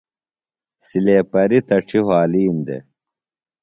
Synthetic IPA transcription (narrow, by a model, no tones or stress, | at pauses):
sileːpɐɾit̪ɐʈ͡ʂʰiɦwaːliːnd̪ḛ